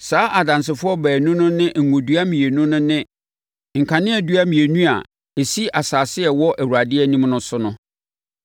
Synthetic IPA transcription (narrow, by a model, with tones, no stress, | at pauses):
saː˨˦ʔa˨dã˨ns̬ɪ˨fʊ˦ɔ˦bɛː˨nʊ̃˦nʊ̃˦nɪ̃˦ʔŋ̩˨ŋʊ̃˨du˦a˦mĩ˨e˨nũ˦nʊ̃˦nɪ̃˦ | ŋ̩˨kʰã˨nɪ̃˦æ˨du˦a˦mĩ˨e˨nũ˦a̰˨ | e˨si˦ʔa˨saː˨sɪ˦ɛ˨wɔ˦ʔæ˨wu˨ɾa˨dɪ˦ɛ˦nĩ˦mnʊ̃˦sʊ˦nʊ̃˦